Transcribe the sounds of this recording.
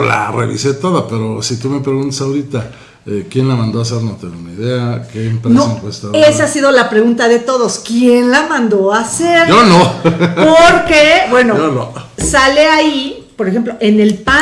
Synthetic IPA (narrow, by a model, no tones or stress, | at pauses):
la̰rḛβḭset̪oðape̞ɾo̞sit̪ume̞pɾe̞ɣunt̪ḁsawɾit̪a | ekje̞nlamãnd̪oase̞ɾnot̪enunaiðeakeːmpɾenoseŋkwest̪aesaasiðo̞lapɾe̞ɣunt̪aðe̞t̪o̞ðo̞skje̞nlamãnd̪o̞aseɾd͡ʒonopoɾkebwe̞noolosaleai | poɾexe̞mplo̞ʔene̞lpa